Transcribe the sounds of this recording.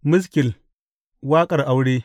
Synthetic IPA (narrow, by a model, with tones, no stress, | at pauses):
mʊ˦s̬kɪ˨l | waː˦kʼɐ˨rʔa˦wɽe˦